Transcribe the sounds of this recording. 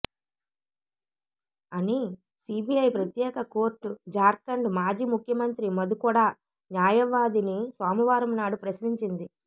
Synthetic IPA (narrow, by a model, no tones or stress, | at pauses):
ɐni | sibʱiɐjpɾɐt̪jɛːkɐko̞ːɾʈːud͡ʒaːɾkɐɳɖmaːd͡ʒiːmukʰjɐmɐnt̪ɾimɐd̪ukɔːɽaː | njaːjɐʋaːd̪inisaːmuʋaːɾɐmnaːɽupɾɐsɾiɲt͡ʃind̪i